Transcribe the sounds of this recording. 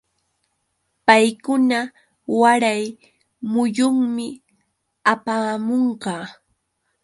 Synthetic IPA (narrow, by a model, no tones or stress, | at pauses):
pajkʊna | waɾaj | mʊjʊŋmɪ | apaːmoɴɢɑː